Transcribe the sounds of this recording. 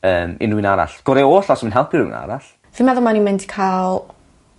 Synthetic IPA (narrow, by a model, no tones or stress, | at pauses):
əːmɪ̰nuɨnaɾa̰ɬɡ̥ɔɾɛoːɬɔsminɦɛlˠpʰɪnṵna̰ɾaɬ | vimɛðʊlˠmanimɪntʰi̥kʰalˠ